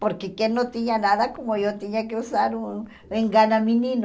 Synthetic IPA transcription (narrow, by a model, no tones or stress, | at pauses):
poɾkekjenːot̪iɲanaðakomojot̪eɲakeusaɾun | eŋɡanamĩnĩno